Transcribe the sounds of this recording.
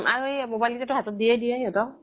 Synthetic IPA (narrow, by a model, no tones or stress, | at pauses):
aɹuejmobajlitɛtʊɦatɔt̚diɛdijɛjɔtɔ